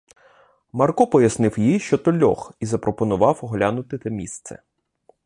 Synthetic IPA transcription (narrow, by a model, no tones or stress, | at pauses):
mɐrkɔpɔjɐsnɪwjijʃt͡ʃɔt̪ɔlʲːɔ̰xizɐpɾɔpɔnʊʋɑwɔɦlʲanʊt̪ɪt̪ɐmʲist̪sɛ̰